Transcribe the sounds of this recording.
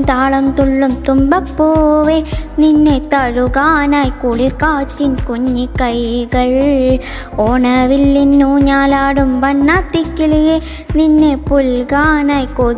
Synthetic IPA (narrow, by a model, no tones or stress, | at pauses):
t̪aːɭɐmt̪uɭːɯmt̪umbɐpːoːʋeninːet̪ɐɻuɣaːnaːjkuɭiɾkaːt͡ʃːinkuɲːikɐjɣɐɭ | oːɳɐʋilːinːuːɲaːlaːɽumʋɐɳːaːt̪ːikːilɐje | ninːepulɡaːnaːjko